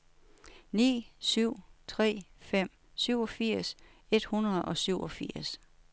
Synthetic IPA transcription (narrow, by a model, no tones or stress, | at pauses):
nḭːsyʊ̰t͡sʰʁɛ̰ːfem̰ | syʊɒ̽fiɐ̰s | e̝d̥hunɐðˠɒ̽syʊ̰ɒ̽fiɐ̰s